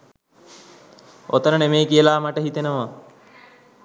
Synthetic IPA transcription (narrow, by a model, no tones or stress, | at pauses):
o̰t̪əɾənemeːkiəlaːmaʈəɦit̪enəʋa